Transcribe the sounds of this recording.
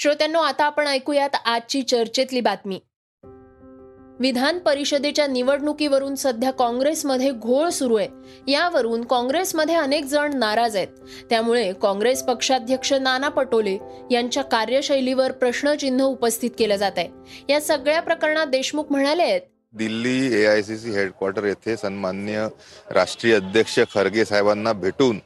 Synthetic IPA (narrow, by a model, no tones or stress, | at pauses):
ɕɾot̪janːoat̪aːpəɳajkujat̪at͡ɕiːt͡ɕəɾt͡ɕet̪liːbat̪miː | ʋid̪ʱanpəɾiɕəd̪et͡ɕjaniʋəɽɳukiʋəɾuːnsəd̪ʱjakɔ̃ŋɡɾesməd̪ʱːjeɡʱoɭsuɾuet̪ | jaʋəɾuːnkɔ̃ŋɡɾesməd̪ʱːjeənek̚d͡zəɳnaɾad͡zet̪̚ | t̪ːjamuɭekɔ̃ŋɡɾespəkʂad̪ʱjəkʂənanapəʈolejaɲt͡ɕjakaɾjəɕəjliʋəɾpɾəɕɳət͡ɕin̤ːəupəst̪ʰit̪̚keləd͡zat̪aj | jasəɡɭjapɾəkəɾɳad̪eɕmukm̤əɽ̃aleet̪̚ | d̪ilːiːeajs̬is̬iːɦeɖkwaɾʈəɾjet̪ʰesənmanjəɾʔa̰ʂʈɾijəəd̪ʱjəkʂəkʰəɾɡesajbanːabʱeʈuːn